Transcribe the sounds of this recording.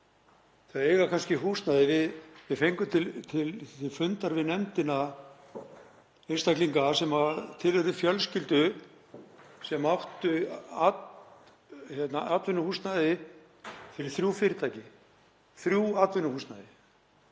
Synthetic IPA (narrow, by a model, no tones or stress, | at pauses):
θaaeːjɣakʰanscɪɦust̪naðɪvɪðvɪðfejŋkʏt̪ʰɪlt̪ʰɪlt̪ʰɪlfʏnt̪aɾvɪðnɛmt̪ɪna | ɪnst̪ahkliŋkasɛmat̪ʰɪlɛɾɪfjœlscɪlt̪ʏ | sɛmawht̪ʏat̪ | çjɛt̪naat̪vʏnːʏhust̪naðɪ | fɪɾɪɾ̥θɾjufɪɾɪt̪ʰaːjcɪ | θɾjuaːt̪vʏnʏhust̪naðɪ